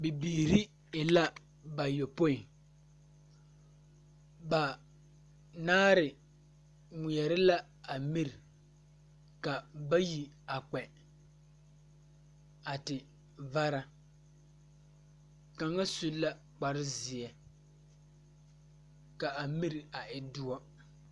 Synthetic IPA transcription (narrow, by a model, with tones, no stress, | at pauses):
bi˨biː˨ɾi˦ | ɪ˨la˦ | ba˨jo˨po˦ɪ˨ŋ | ba˨ | naː˦ɾɪ˨ | ŋi˨jɛ˨ɾɪ˦la˦ | a˨mi˦ɾɪ˨ | ka˨ba˦ji˨ | a˨k͡pɛ˨ | a˨tɪ˨ | va˦ɾa˦ | ka˨ŋa˦su˦la˦ | k͡pa˨ɾɪ˦zɪ˨ɛ˨ | ka˨a˨mi˦ɾɪ˨a˨ʔɪ˨dʊ˦ɔ˦